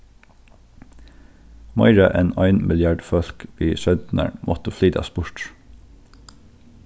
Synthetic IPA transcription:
mɑ̰ɪɹəʔeːnɑɪnmʔɪljɑːɖfœlkʋiːʃœnt̪nə̰ɹmʔɔt̪əfliːd̪ɑ̰ːspʊɹʈ

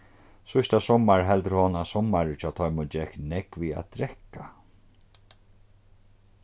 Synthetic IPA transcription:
sʊst̪asɔmaɹɦɛlt̪ɾhɔnasɔmːaɾɪt͡ʃʰaːt̪ʰɔjmʊd͡ʒɛknɛkvia̰t̪d̪ɾɛhka

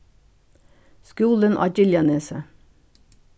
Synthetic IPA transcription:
skuːlənʔɑ̰ːɟɪljɑneːsə

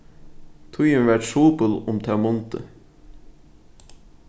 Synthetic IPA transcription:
t̪ʰʊjənʋæʈʃuːpəlʊmt̪ʰæmɔnt̪ə̰

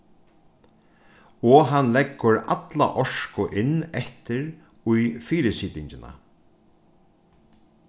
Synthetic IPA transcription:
ɔɦanlɛkːʊɾa̰t̪la̰ʔɔʂkʊʔɪnːɛht̪ɪɾ | ʊjfiːɾɪsiːt̪ɪɲt͡ʃɪna̰

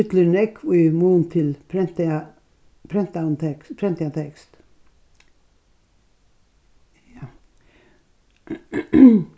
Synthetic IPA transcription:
ʏt̪lənɛkʰːoimuːnt̪ʰɪlpʰɾɛnt̪ | pʰɾɛnt̪ant̪ʰɛkpʰɾɛnt̪ɪat̪ʰɛkst̪

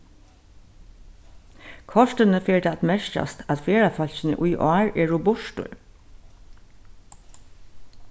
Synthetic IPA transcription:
kʰɔʂt̪ənəfeːɹd̪aːat̪mɛʂça̰st̪ʰat̪feːɹafœl̥çɪnə̰ʔʊjʔɔ̰aːɹɛːɹʊbʊʂtʊ̰ɹ

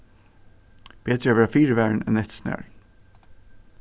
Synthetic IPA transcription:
b̥eːt̪ɾəæʋɛːafiːɹəʋæːɹɳɛ̰nɛt̪snæ̰ːɹ

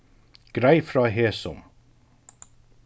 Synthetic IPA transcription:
ɡ̥ɾæɪfɾɑːɦeːsɔ̰m

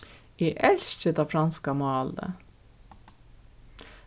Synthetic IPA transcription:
iʔɛɬt͡ʃəd̪ɑfɾɑnskamɑːld̪ə̰

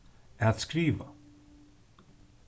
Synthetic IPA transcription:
ɛat̪skɾiːva

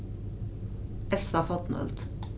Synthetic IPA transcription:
ɛlsɑfɔt̪n̩œ̰lt̪

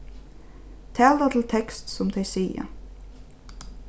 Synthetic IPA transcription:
t̪ʰɛːlat̪ʰɪlt̪ʰɛkst̪sʊmt̪ʰejsiːja̰

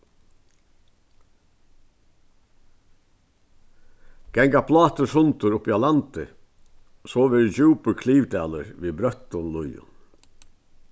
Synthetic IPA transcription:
ɡ̥ɛŋkapʰlɑːt̪əʂʊnt̪ʊɾʊpiːɑlɑnt̪ɪ | soːʋɪɾd͡ʒʉːpəkʰliːʋd̪æːləɾʋiːbɾœt̪ʊnlʊjʊ̰n

